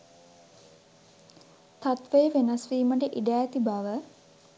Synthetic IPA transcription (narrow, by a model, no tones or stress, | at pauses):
t̪at̪ʋəjəʋenɐsʋiːməʈəʔiɖæːt̪ibaʋə